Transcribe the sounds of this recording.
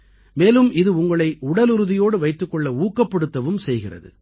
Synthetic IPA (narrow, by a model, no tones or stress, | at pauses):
meːlɯmɪðɯʊŋɡɐɭɐɪʔʊɽɐlɯɾɯðɪjoːɽɯʋɐɪt̪ːɯkːɔɭːɐuːkːɐpːɐɽɯt̪ːɐʋɯmsɛjɣɪrɐ̰ðɯ̰